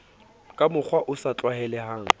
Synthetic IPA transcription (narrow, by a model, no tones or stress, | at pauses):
kʼamʊk͡xʰwaʔʊsat͡ɬʼwahɛlɛhaːŋ̩